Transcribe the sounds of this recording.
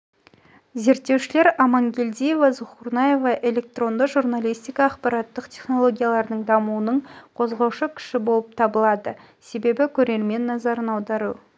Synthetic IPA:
ze̞ɾt̪ːe̞wʃɪle̞ɾɑmɑŋɡʲe̞ld̪ije̞vɑzʊχuɾnɑje̞vɑʔe̞le̞k̚t̪ro̞nd̪əʒurnalʲˠijst̪ijkɑːqpɑɾɑt̪ːəqt̪ʲʰe̞χno̞lˠo̞ɡʲijalˠɑɾd̪əɴd̪ɑmuwənəɴqʰo̞zʁɑwʃəkʲʰɪ̥ʃɪbo̞lˠəp̚t̪ʰɑbəlˠɑd̪ə | se̞be̞bɪkʲʰɵɾe̞ɾme̞nːɑzɑɾənɑwd̪ɑɾu

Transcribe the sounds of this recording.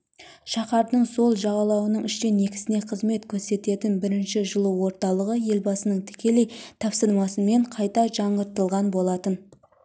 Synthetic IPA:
ʃɑqɑɾd̪əɴso̞lˠʒɑʁɑlˠɑwənəɴɪʃt̪e̞ne̞kʲɪ̥sɪne̞qʰəzme̞t̪kʲʰɵɾse̞t̪e̞t̪ɪnbɪɾɪnʃɪʒəlˠəwo̞ɾt̪ɑlˠəʁəje̞lbɑsənəɴt̪ʰɪ̥kʲe̞le̞jt̪ʰɑpsəɾmɑsənme̞ɴqʰɑjt̪ɑʒɑɴəɾt̪əlˠʁɑnbo̞lˠɑt̪ən

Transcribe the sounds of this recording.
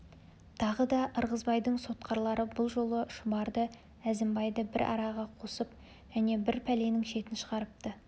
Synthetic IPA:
t̪ʰɑʁəd̪ɑʔəɾʁəzbɑjd̪əɴso̞t̪qʰɑɾlˠɑɾəbʊlˠʒo̞lˠəʃʊbɑɾd̪ə | æzɪmbɑjd̪əbɪ̰ɾʔɑ̰ɾɑʁɑqʰosəp | ʒ̥æne̞bɪɾpʰæle̞nɪŋʃe̞t̪ɪnʃəʁɑɾəp̚t̪ə

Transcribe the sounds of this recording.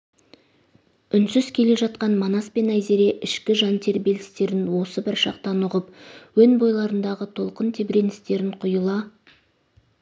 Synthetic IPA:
ʏnsʏzkʲʰe̞le̞ʒɑt̪̚qɑnmonɑspe̞næjze̞ɾe̞ʔɪʃkʲɪʒɑnt̪ʰe̞ɾbe̞lɪst̪e̞ɾɪnwo̞səbɪɾʃɑ̰q̚t̪ɑnʊʁəpwɵnbo̞jlˠɑɾənd̪ɑʁət̪ʰo̞lˠqənt̪ʰe̞bɾe̞nɪst̪e̞ɾɪɴqʰʊjəlˠɑ

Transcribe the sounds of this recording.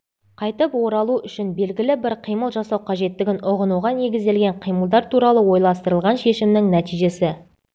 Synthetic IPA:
qʰɑjt̪əpwo̞ɾɑlˠuʏʃɪnbe̞lɡʲɪlɪbɪɾqʰijməlˠʒɑsɑwqʰɑʒe̞t̪ːɪɡʲɪnʊʁənuʁɑne̞ɡʲɪzd̪e̞lɡʲe̞ɴqʰijməlˠd̪ɑɾt̪ʰuɾɑlˠəwo̞jlˠɑst̪əɾəlˠʁɑnʃe̞ʃɪmnɪŋnæt̪ijʒe̞sɪ

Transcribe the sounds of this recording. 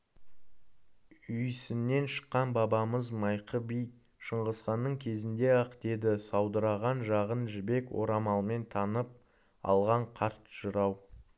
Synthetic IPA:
ʏjsɪnːe̞nʃə̥qːɑnbɑbɑməzmɑjqəbij | ʃəɴʁəsqɑnːəɴkʲʰe̞zɪnd̪e̞ɑqt̪e̞d̪ɪsɑwd̪əɾɑʁɑnʒɑʁənʒɪbe̞kwo̞̰ɾɑmɑlˠme̞nt̪ʰɑnəp̚ | ɑ̰lˠʁɑɴqʰɑɾt̪ʒ̥əɾɑw

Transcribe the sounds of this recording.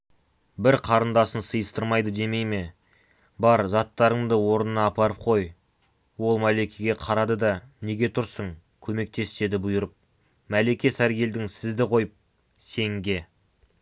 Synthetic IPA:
bɪɾqʰɑɾənd̪ɑsənsəjəst̪əɾmɑjd̪əd̪e̞me̞jme̞ | bɑɾzɑt̪ːɑɾəɴd̪əwo̞ɾənənɑːpɑɾəp̚qʰo̞j | wo̞lˠmæle̞kʲʰeɡʲe̞qʰɑɾɑd̪əd̪ɑne̞ɡʲe̞t̪ʰʊɾsəɴ | kʲʰɵme̞k̚t̪e̞se̞d̪ɪbʊjəɾəp̚ | mæle̞kʲe̞sæɾɡʲe̞ld̪ɪŋsɪzd̪ɪqʰo̞jəp̚ | se̞ŋɡʲe̞

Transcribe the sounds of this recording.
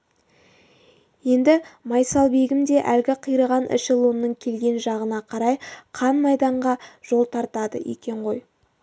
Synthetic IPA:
je̞nd̪ɪmɑjsɑlˠbe̞ɡʲɪmd̪e̞ʔælɡʲɪqʰijɾəʁɑnɪ̰ʃɪlˠunːəɴkʲʰe̞lɡʲe̞nʒɑʁənɑqʰɑɾɑjqʰɑnmɑjd̪ɑɴʁɑʒ̥o̞lˠt̪ʰɑɾt̪ɑd̪ə̰ʔḛkʲe̞ɴʁo̞j

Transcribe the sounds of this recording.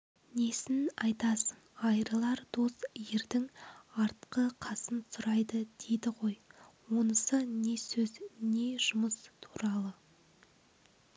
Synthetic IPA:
ne̞sɪnɑjt̪ɑsəɴɑjɾəlˠɑɾd̪o̞sje̞ɾd̪ɪŋɑɾt̪qəqʰɑsənsʊɾɑjd̪əd̪e̞jd̪ɪʁo̞jwo̞nəsəne̞sɵzne̞ʒ̥ʊməst̪ʰu̥ɾɑlˠə

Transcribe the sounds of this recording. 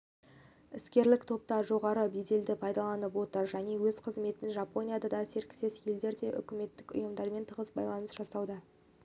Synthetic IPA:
ɪskʲe̞ɾlɪkt̪ʰo̞p̚t̪ɑʒo̞ʁɑɾəbed̪e̞ld̪ɪpʰɑjd̪ɑlˠɑnəpwo̞t̪əɾʒæne̞wɵzqʰəzme̞t̪ɪnʒɑpo̞nʲijad̪ɑd̪ɑse̞ɾkʲɪ̥se̞sjeld̪e̞ɾd̪e̞ʔʏ̰kʲɪme̞t̪ːɪkʊ̰jəmd̪ɑɾme̞nt̪ʰəʁəsbɑ̰jlˠɑnəsʒ̥ɑsɑwd̪ə

